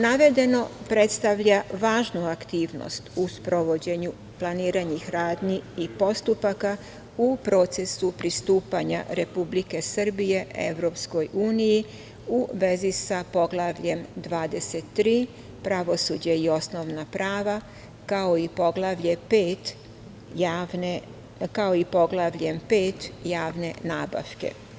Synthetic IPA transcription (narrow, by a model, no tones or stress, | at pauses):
naʋe̞d̪e̞no̞pɾe̞t̪st̪aʋʎaʋaːʒnuakt̪iːʋno̰st̪uspɾoʋo̞d͡ʑe̞ɲu | plˠaniːɾaɲixɾaːd̪niipo̞st̪upaka | upɾo̞ːt̪se̞supɾist̪uːpaɲa̰ɾe̞publike̞sɨr̩bije̞e̞̰ʋɾo̞ːpsko̞juːniji | uʋe̞zisapo̞ɡlˠaʋʎe̞md̪ʋaːd̪e̞set̪ːɾiː | pɾaʋo̞suːd͡ʑeio̞sno̞ʋnapɾaːʋa | kao̞ipo̞ɡlˠaʋʎe̞peːt̪ | ane | kao̞ipo̞ɡlˠaʋʎe̞mpe̞ːt̪jaːʋne̞naːba̰ʋke̞̰